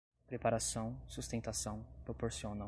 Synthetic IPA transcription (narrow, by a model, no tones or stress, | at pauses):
pɾepaɾasɐ̃w̃sust̪ẽnt̪asɐ̃w̃pɾopoɾsionã